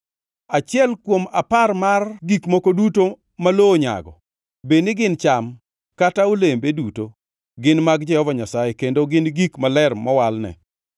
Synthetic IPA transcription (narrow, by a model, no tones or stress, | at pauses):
at͡ʃɪɛlkwoma̰parmarɡikmokoduto | malooɲa̰ɡɔ̰ | benɪɡɪnt͡ʃam | kataulembeduto | ɡɪnmaɡd͡ʒɛhɔvaɲasajekendoɡɪnɡikmalɛrmɔwalnɛ̰